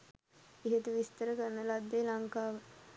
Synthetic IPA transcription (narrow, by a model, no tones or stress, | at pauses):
iɦet̪uʋist̪əɾəkənːəlad̪ːeːlaŋkaːʋə